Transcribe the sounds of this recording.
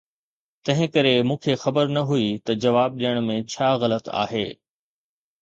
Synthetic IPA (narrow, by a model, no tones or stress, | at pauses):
t̪ɐ̃ɦɪ̃kɐɾemũːkʰexɐbəɾnɐɦuit̪ɐd͡ʑɐʋaːb̚ɗijəɽ̃mẽt͡ɕʰaːɣɐlət̪a̰ːɦeː